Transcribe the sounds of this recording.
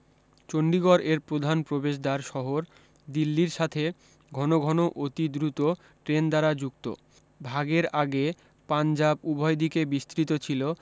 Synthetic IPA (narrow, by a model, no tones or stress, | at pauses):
t͡ɕoɳɖiɡɔɾeɾpɾod̪ʱanpɾobeʃ̬d̪aɾʃɔɦoɾ | d̪ilːiɾʃat̪ʰe | ɡʱɔnoɡʱɔnoʔot̪id̪ɾut̪o | ʈɾend̪aɾad͡ʑukt̪o̰ | bʱaɡeɾaɡe | pand͡ʑabubʱɔed̪ikebist̪ɾit̪ot͡ɕʰilo